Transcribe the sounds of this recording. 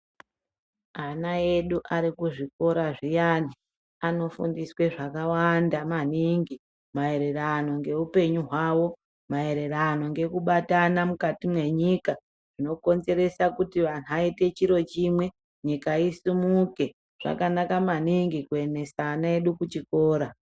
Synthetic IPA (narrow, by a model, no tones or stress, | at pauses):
anae̞ɗuʔaɾikuʐiko̞ɾaʐijani | ano̞fundiswe̞ʐakawandamaniŋɡi | mae̞ɾe̞rano̞ŋɡe̞upe̞ɲuɦwawo̞ | mae̞ɾe̞rano̞ŋɡe̞kuɓatanamukatimwe̞ɲika | ʐ̥ino̞ko̞nze̞ɾe̞sakutiʋan̤uaite̞t͡ʃiɾo̞t͡ʃimwe̞ | ɲikaisumuke̞ | ʐ̥a̰kanakamaniŋɡikue̞ne̞saːnae̞ɗukut͡ʃiko̞ːɾa